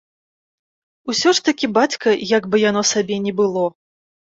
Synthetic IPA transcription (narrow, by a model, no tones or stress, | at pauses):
usʲɔʂt̪ɐkʲibat͡sʲkɐjaɡbɨjanɔsabʲɛnʲɛbɨlˠɔ